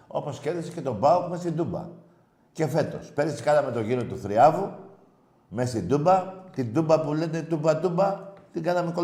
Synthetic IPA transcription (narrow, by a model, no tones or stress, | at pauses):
o̞̰po̞sce̞ɾðisece̞t̪o̞bɐokme̞st̪ind̪ubɐ̰ | ce̞fe̞t̪o̞̰spe̞ɾisi̥kɐnɐme̞t̪o̞ʝiɾot̪uθɾiɐvu | me̞st̪ind̪ubɐt̪ind̪ubɐpule̞t̪e̞t̪ubɐt̪ubɐt̪iɡɐnɐmeko